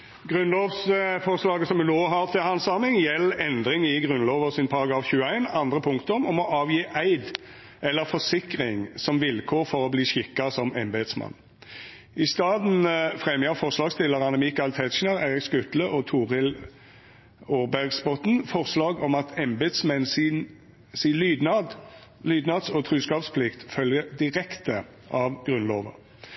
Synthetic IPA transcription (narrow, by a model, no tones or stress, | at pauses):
ɡʁʉnloːʋsfɔʁslɑːɡəsɔmʉnoːɦɑʁt̪ʰɪhɑnsɑʁmɪŋjɛlːɛnd̪ʁɪŋɪɡʁʉnlɔːʋəʁsɪnpʰɑʁɑɡʁɑːfçʉːəæɪnɑnd̪ʁəpʰʊŋkt̪əɔmɔmɔʔɑːʋjiːʔæɪd̪ | ɛlːəʁfɔsɪkʁɪŋsɔmʋɪlkʰoːʁfɔʁɔbliːɕɪkːɑsɔmɛmbɛd̪smɑ̰nː | ɪst̪ɑːd̪n̩fʁɛmjɑfɔʁslɑːɡst̪ɪlːəʁɑnəmɪkɑlt̪ʰɛt̪ʃnɑʁæɪɾɪkskʉt̪ləʔɔt̪ʰuːʁɪl | oːʁbæʁɡsbɔt̪n̩fɔʁslɑːɡɔmɑt̪ʰɛmbed̪smɛnsn | silyːd̪nɑd̪lyːd̪nɑd̪sɔt̪ʰʁʉːskɑːpspʰlɪkt̪fœljəd̪ɪʁɛkt̪ə | ʔɑʋɡ̥ʁʉnloːʋə̰